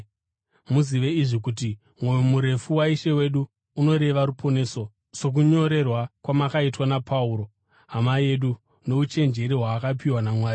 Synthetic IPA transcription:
muziʋe̞iʐikut̬i | mwo̞jomuɾe̞fuwaiʃe̞we̞ɗuː | no̞ɾe̞ʋaɾupʰo̞ne̞ːso̞ | so̞k̬uɲo̞ɾe̞rwakwamakaitwanapʰauːɾo̞ | ɦamaie̞ɗu | no̞ut͡ʃe̞nd͡ʒe̞ɾiɦwaːkapiwanamwaːi

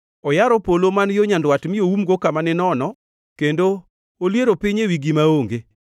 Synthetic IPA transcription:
ɔjaɾɔpolomanjoɲandwatmɪjoumɡokamanɪnɔnɔ | kendo | oljeɾopɪɲewiɡimaoŋɡe

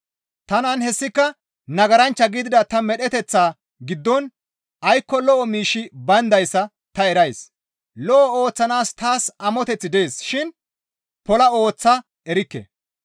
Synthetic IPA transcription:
t̪ɐnɐnhɛsːɪkːɐ | nɐɡɐɾɐnt͡ʃːɐɡɪd̪ɪd̪ɐt̪ɐmɛɗɛt̪ɛt͡sːaː | ɡɪd̪ːɔn | ʔɐjkːɔlɔʔɔmiːʃːɪbɐnd̪ɐjsːɐ | t̪ɐɛɾɐjs | lɔʔɔo̞ːt͡sːɐnaːst̪aːsɐmɔt̪ɛt͡sːɪd̪e̞ːsʃɪn | pɔlɐo̞ːt͡sːɐ | ɛɾɪkːɛ̰

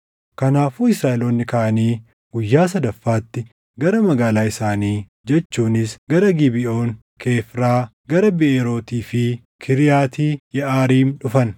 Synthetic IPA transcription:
kɐnaːfuːɪsɾaːɛloːnːɪkɐʔɐniː | ɡʊjːaːs̬ɐd̪ɐfːaːt̪ːɪ | ɡɐɾɐmɐɡaːlaːɪsaːniː | d͡ʒɛt͡ʃːuːnɪsɡɐɾɐɡɪbɪʔo̞ːŋ | kʰe̞ːfɾaː | ɡɐɾɐbɪʔeːɾo̞ːt̪iːfɪ | kʰɪɾɪjaːt̪iːjɛʔaːɾiːmᶑʊfɐn

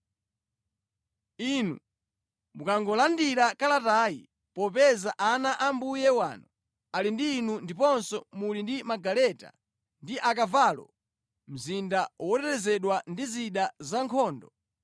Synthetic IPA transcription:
inṵ | mukaŋɡɔlandiɾakalataːjḭ | pɔpɛzaʔanaʔambujɛwa̰ːnu | alindiːnundipɔnsɔmulindimaɡalɛta̰ | ndiʔak̬avaːlɔ̰ | m̩zindawɔtɛɾɛzɛɗwandiziɗazaŋkʰɔːndɔ

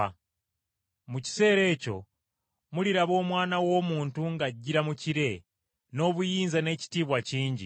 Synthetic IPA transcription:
muci̥se̞ːɾe̞ːco̞̰ | muliɾaβo̞ːmwaːnawo̞ːmuːntuŋɡaɟːiɾamuciɾe̞ | no̞ːβujiːnzane̞ːci̥tiːβwaciːɲɟḭ

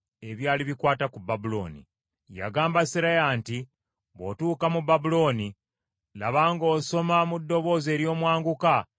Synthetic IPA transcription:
eβjaːliβikwaːtakubːabulo̞̰ːnḭ | ja̰ɡaːmbasiɾaeaːnti | βo̞̰tuːkamubabulo̞ːni | laβaːŋɡo̞ːso̞mamudːo̞βo̞ːze̞ːɾjo̞ːmwaːŋɡuka

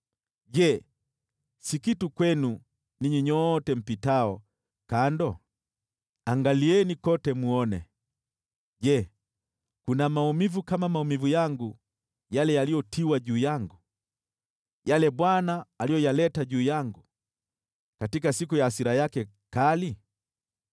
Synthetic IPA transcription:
ɟɛ | sikitukwɛnu | niɲiɲɔtɛm̩pitaɔ | kandɔ | aŋɡaliɛnikɔtɛmuɔnɛ̰ | ɟɛ | kunamaumivukamamaumivujaŋɡu | jalɛjalijɔtʰiwaɟuːjaŋɡu | jalɛbwanaːlijɔjalɛtaɟuːjaŋɡu | katikasikujaːsiɾajakɛ | kali

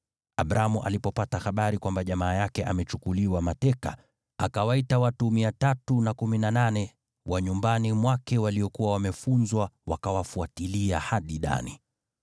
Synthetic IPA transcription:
aɓɾʔamuʔa̰lipɔpataxaɓaɾikwambaʄamaːjakɛʔamɛt͡ʃukuliwamatɛka̰ | akawaitawatumiatatunakuminananɛ | wʔaɲumbanimwakɛwaliɔkuwawamɛfunzwawakawafuatiliahaɗiɗa̰ni

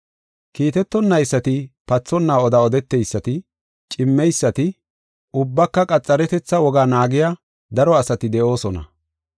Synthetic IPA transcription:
kiːt̪ɛt̪ːɔnːɐjsːɐt̪ɪpɐt͡sːɔnːaːɔd̪ɐɔd̪ɛt̪ːɛjsːɐt̪ɪ | t͡ʃʼɪmːɛjsːɐt̪ɪ | ʔʊbːɐkːɐkʼɐt͡sʼːɐɾɛt̪ɛt͡sːɐwɔɡaːnaːɡɪja | d̪ɐɾɔɐsɐt̪ɪd̪ɛʔo̞ːsɔnɐ̰

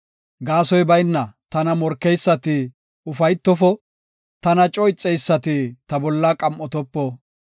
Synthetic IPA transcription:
ɡaːsɔjbɐjnːɐt̪ɐnɐmɔɾkːɛjsːɐt̪ɪ | ʊfɐjt̪ːɔfɔ | t̪ɐnɐt͡ʃʼɔjt͡sʼːɛjsːɐt̪ɪt̪ɐbɔlːɐkʼɐmʔɔt̪ɔpːɔ

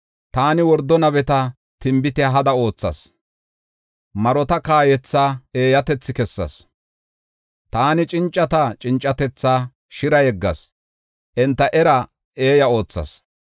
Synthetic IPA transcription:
t̪aːnɪwɔɾd̪ːɔnɐbɛt̪ɐ | t̪ɪmbɪt̪ɛɦɐd̪ɐo̞ːt͡sːɐ̰s | mɐɾɔt̪ɐkaːjɛt͡sːaːeːjɐt̪ɛt͡sːɪkɛsːɐ̰s | t̪aːnɪt͡ʃʼɪnt͡ʃʼːɐt̪ɐt͡ʃʼɪnt͡ʃʼːɐt̪ɛt͡sːaː | ʃɪɾɐjɛɡːɐ̰s | ʔɛnt̪ːɐʔɛɾɐ | e̞ːjɐo̞ːt͡sːɐ̰s

